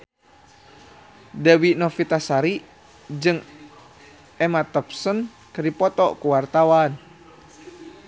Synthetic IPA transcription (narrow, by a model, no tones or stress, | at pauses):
dawinɔfit̪asaɾi | d͡ʒɨŋ | ɛmat̪ɔp̚sən | kərdipɔt̪ɔʔkuwart̪awan